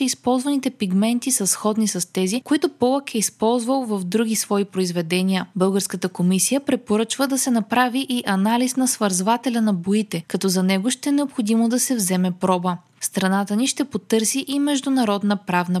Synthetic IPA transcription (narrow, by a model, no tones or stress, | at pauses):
ispɔlˠzvɐnit̪ɛpiɡmɛnt̪isɐsxɔd̪nisɐst̪ɛzikoit̪ʊpɔlˠəkɛispɔlˠzvəlˠvɐfd̪ɾuɡisvɔipɾoizvɛd̪ɛniəbɤlˠɡəɾskət̪əkomisijəpɾɛpoɾɤt͡ʃvəd̪ɐsɛnɐpɾaviʔiʔɐnalisnɐsvɐɾzvat̪ɛlʲɐnɐboit̪ɛkɐt̪ɔzɐnɛɡoʃt̪ɛɛnɛopxod̪imod̪ɐsɛvzɛmɛpɾɔbə | st̪ɾɐnat̪əniʃt̪ɛpot̪ɤɾsiʔimɛʒd̪ʊnɐɾɔd̪nəpɾavnə